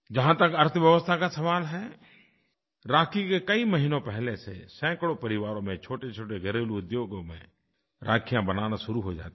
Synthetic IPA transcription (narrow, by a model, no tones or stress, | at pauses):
d͡ʒɐɦãt̪əkɐɾt̪ʰəʋjəʋəst̪ʰakasɐʋaːlɦɛː | ɾaːkʰikekəiməɦinõpɛɦlesḛsɛ̃ːkɽopəɾɪʋaːɾõmẽt͡ʃʰoːʈet͡ʃʰoːʈeɡəɾeːluʊd̪joːɡomḛ̃ | ɾʔaːkʰijãbənaːnasʊɾuɦod͡ʒa̰ːt̪e